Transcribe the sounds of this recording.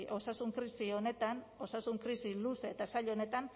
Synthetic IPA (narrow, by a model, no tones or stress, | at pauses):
ʔo̞sasuŋkɾisio̞ne̞t̪an | o̞sasuŋkɾisiluseːt̪asaʎone̞t̪an